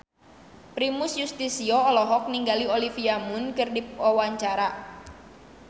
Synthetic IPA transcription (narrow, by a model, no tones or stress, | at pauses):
pɾimusjust̪isiɔːlɔɦɔk̚niŋɡaliolifiamʊnkɨrdipwawaɲt͡ʃaɾa